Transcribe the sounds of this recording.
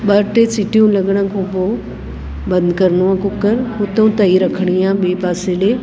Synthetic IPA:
ɓɐɾʈesɪʈijũlɐɠəɽ̃ə̃kʰõːpoː | bɐ̃nd̪kɐɾnuãkʊkəɾɦʊt̪õt̪aiɾɐkʰəɽ̃iãːbeːpaːseleː

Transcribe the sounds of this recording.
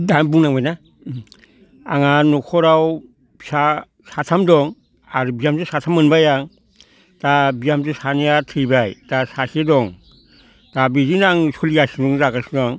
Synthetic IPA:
danbuŋnaŋbajna | aŋanɔkʰɔɾaw | bsa | satʰamdɔŋ | aɾubijamtusatʰamːɯnbajaŋ | tabijamzusanijatʰɯjbajtasasedɔŋ | tabizinaŋsuliasidɔŋzaɡasnaŋ

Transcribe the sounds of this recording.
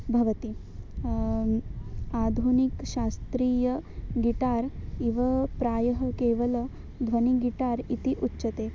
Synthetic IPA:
bʱɐʋɐt̪i | ad̪ʱunikʃast̪ɾiːjɐɡiʈaːɾiʋɐpɾaːjɐɦɐkeːʋɐlɐ | d̪ʱʋɐniɡiʈaːɾit̪iʔutːʃɐt̪e

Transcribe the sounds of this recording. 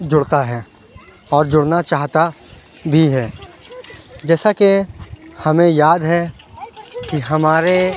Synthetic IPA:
d͡ʒʊɽt̪aɦɛ | ɔːɾd͡ʒʊɽnat͡ʃaːɦt̪a | bʱiɦɛː | d͡ʒɛːsakehɐmẽjaːd̪ɦɛ | kiɦɐmaːɾe

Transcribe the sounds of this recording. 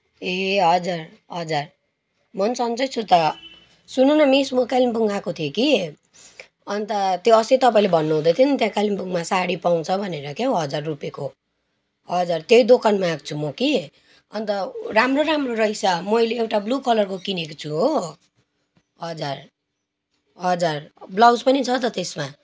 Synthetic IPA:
eɦʌd͡zar | ɦʌd͡zar | mʌnsʌnt͡sʌjt͡sʰut̪ʌ | sununʌmismʌkalimbuŋɡakot̪ʰjoki | ʌnt̪ʌt̪joʌset̪ʌpaĩlebʱʌnːuɦũd̪ʌjt̪ʰjont̪jãkalimbuŋmasaɽipaw̃t͡sʰʌbʱʌneɾʌkeɦoɦʌd͡zarːupjeko | ɦʌd͡zart̪jejd̪okʰanmak̚t͡sʰumʌki | ʌnt̪ʌramroɾamroɾʌjsʰʌmʌjleewʈablukʰʌlʌrkokinekot͡sʰuɦo | ɦʌd͡zar | ɦʌd͡zarblawd͡zpʌnit͡sʰʌt̪ʌt̪esma

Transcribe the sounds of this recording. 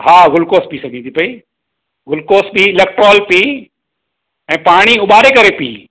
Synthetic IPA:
ɦaːɣʊlkoːspiːsɐɡʱĩnt̪ʰipɐi | ɣʊlkoːsbiɪlek̚ʈɾoːlpiː | ɛ̃ːpaːɽ̃iʊɓaːɾekɐɾepḭː

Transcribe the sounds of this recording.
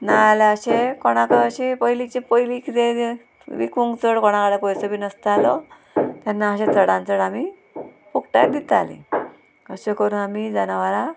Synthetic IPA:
naləɕekoɽ̃akəəɕipəjlit͡ɕipəjlikʰit̪e | ʋḭkuŋɡt͡səɽkoɽ̃ãkaɽapɔjsəbiːnəst̪alɔ | t̪janːaəɕẽt͡səɽãnt͡səɽami | fukʈad̪it̪a̰lḭ | əɕekəɾuːnamid͡zanaʋala

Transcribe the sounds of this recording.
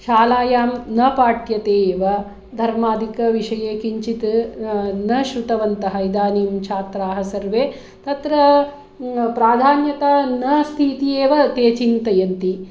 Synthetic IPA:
ʃaːlaːjaːmnɐpaːʈjɐt̪eːʋɐ | d̪ʱɐɾmaːd̪ʱikɐʋiʂɐjeːkiɲt͡ʃit̪ | nɐʃɾut̪ɐʋɐnt̪ɐɦɐjd̪aːniːmt͡ʃʰaːt̪ɾaːɦɐsɐɾʋeː | t̪ɐt̪ɾɐ | pɾaːd̪ʱaːnjɐt̪anɐst̪ʰiːt̪ijeːʋɐt̪eːt͡ʃint̪ɐjɐnt̪i

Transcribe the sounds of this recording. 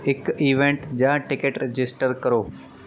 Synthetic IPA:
ɪkiʋẽɳʈd͡ʒãːʈɪkeʈɾed͡ʒɪsʈəɾkəɾoː

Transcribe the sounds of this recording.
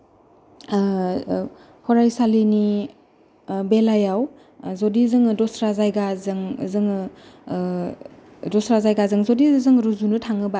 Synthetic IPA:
hɔɾajsalini | belajaw | zodizɯŋdɔsɾazajɡazɯŋzɯŋ | dɔsɾazajɡazɯŋzodizzɯŋɾuzunutʰaŋɯba

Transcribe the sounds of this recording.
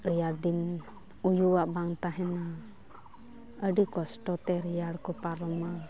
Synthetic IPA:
ɾijaɽd̪in | ujuwaʔbaŋt̪aɦɛna | əɖikɔsʈɔt̪ɛɾijaɽkɔpaɾɔma

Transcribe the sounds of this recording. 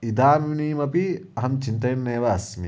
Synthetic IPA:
id̪aːminiːmɐpiɐɦɐmt͡ʃint̪ɐjnːeːʋaːsmḭ

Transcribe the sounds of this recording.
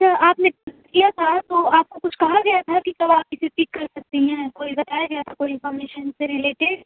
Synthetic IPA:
ɐt͡ʃʰaʔaːpne | kijat̪ʰat̪oaːp̚kokʊt͡ʃʰkɐɦaɡɐjat̪ʰakikɐbaːp̚kɪseʈiːkːɐɾsɐk̚t̪iɦɛ̃koːiɡɐt̪aːjaɡɐjat̪ʰakoːiɪ̃nfɔːɾmeːʃənseɾɪleːʈɪɖ

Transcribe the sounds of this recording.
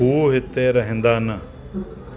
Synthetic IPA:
uːɦit̪ːeːɾɐɦind̪aːnɐ

